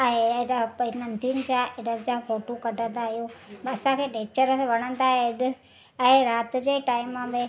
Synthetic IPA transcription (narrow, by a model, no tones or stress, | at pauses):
aɦeeɗapɪnə̃nd̪ʱiñɪd͡ʑaʔeɗəlɪd͡ʑafoːʈokɐɖʱə̃nd̪aːɦijoɐsãkʰeːɗẽːt͡ɕəɾʋɐɽ̃ə̃nd̪aːɦeɪɗɪ | ɛ̃ɦeɾaːt̪ɪ̆d͡ʑeːʈaːɪmːãbẽ